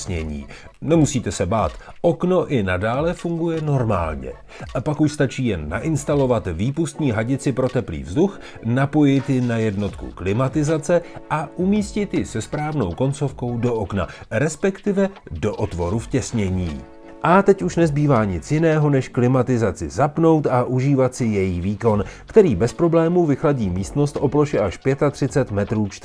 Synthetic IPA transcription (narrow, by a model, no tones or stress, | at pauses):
sɲɛ̰ɲḭːnɛmusiːt̪ɛsɛba̰ːt̪ | ʔo̞kno̞ʔɪnadaːlɛfuŋɡujɛno̞ɾma̰ːlɲɛ̰ | apakuʃst̪at͡ʃiːjɛnːa̰ʔɪnst̪alo̞vat̪viːpust̪ɲiːɦaɟɪt͡sɪpɾot̪ɛplḭːvzdux | napo̞jɪjt̪jɪnajɛdno̞t̪kṵklɪmat̪ɪzat͡sɛʔaʔumiːscɪt̪jɪsɛspɾaːvno̞̰wko̞nt͡so̞fko̞wdo̞ʔokna̰ɾɛspɛkt̪ɪvɛdo̞ʔot̪vo̞ɾufcɛsɲɛɲiː | ʔat̪ɛcuʃnɛzbiːvaːɲɪt͡sjɪnɛːɦo̞nɛʃklɪmat̪ɪzat͡sɪzapno̞wt̪aʔuʒiːvat̪sɪjɛjiːviːko̞nkt̪ɛɾiːbɛspɾo̞blɛːmuvɪxlaɟiːmiːst̪no̞st̪ʔo̞ploʃɛʔaʃpjɛt̪at̪r̝̥ɪt͡sɛt̪mɛt̪ɾuːt͡ʃ̪